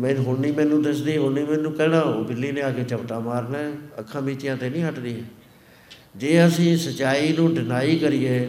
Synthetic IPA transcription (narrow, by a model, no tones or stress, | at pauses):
mɛ̃ːɦʊɳniːmɛ̃ːnũːd̪əsd̪iːɦʊniːmɛ̃ːnũːkɛːnãːoːbɪlːiːnẽːaːkeːt͡ʃəbʈ̪ãːmaːɾnẽːəkʰːãːbiːt͡ʃɪjãːt̪eːnĩːɦəʈd̪iːɦɛ̃ː | d͡ʒeːəsĩːsət͡ʃaːiːnũːɖɪnaːiːkəɾɪjeː